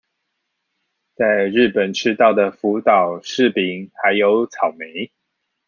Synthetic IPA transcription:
t͡sa˥˧ɪɻ̩˥˩pə˨˩nʈ͡ʂʰɻ̩˥t̪ɑ˥˩ʊd̪ə˩fu˨˥t̪ɑ˨˩ʊʂɻ̩˥˨pi˨˩ŋxa˧˦ɪjo˧˦ʊt͡sʰɑ˨˩ʊme˨˦ɪ

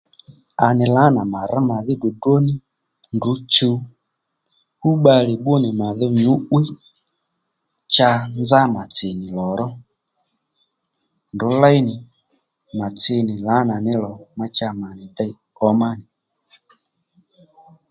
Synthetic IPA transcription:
a˨nɪ˨la˨˦na˨ma˨ɾa˦ma˨ðɪ˦du˨dwo˦nɪ˦ | ndu˨˦t͡ʃu˧ | hu˦ɓa˧lɪ˨ɓʊ˦nɪ˨ma˨ðɪ˦ɲu˨˦ʔwi˦ | t͡ʃa˧nd͡za˦ma˨t͡sɪ˨nɪ˨lɔ˨ɾɔ˦ | ndʊ˨˦la˦jnɪ˨ | ma˨t͡sɪ˧nɪ˨la˨˦na˨nɪ˦lɔ˨ma˧t͡ʃa˧ma˨nɪ˨d̪ɛ˦˧˦ | ɔ˦ma˦nɪ˨

